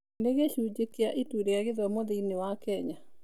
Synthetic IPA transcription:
neɣeɕuːd͡ʒekeaʔituɾeaɣeðwɛmoðiinewakɛɲa

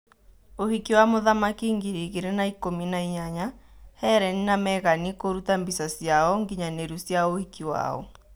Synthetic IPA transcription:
ohikiwamoðamakiŋɡiɾiɣeɾenaikominaiɲaɲahɛɾɛninamɛɣanikoɾutambisasjaɔŋɡiɲaneɾusjaohikiwa̰ɔ̰

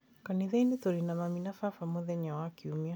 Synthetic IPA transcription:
kaniðainiθɔɾinamaminafafamɔðɛɲawakiumia

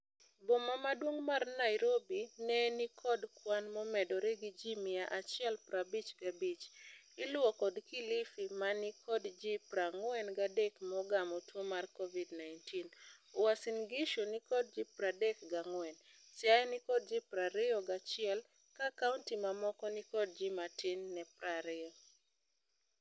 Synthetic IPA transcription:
bomamadwoŋmarnaɪɾobinɛnikʰɔdkwanmɔmɛdɔɾeɡid͡ʒimɪaʔat͡ʃɪɛlpɾabit͡ʃɡabit͡ʃ | ɪlʊwɔkɔdkilifimanikʰɔdd͡ʒipɾaŋwɛnɡadɛkmɔɡamɔtwomarkɔvidnajntinowasinɡɪʃonikɔd̚d͡ʒipɾadɛkɡaŋwɛn | sajnɪkɔd̚d͡ʒipɾaɾɪɔɡat͡ʃɪɛl | kakauntimamɔkɔnɪkɔd̚d͡ʒimatɪnːɛpɾaɾɪɔ

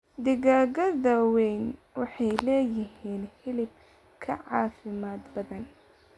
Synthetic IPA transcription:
d̪ɪɣaːɣɐðɐwɛjnwɑħɑjlɛːjɪɦiːnhɪlɪb̚ | kʰɐʕɑːfɪmaːd̪bɐðɐn

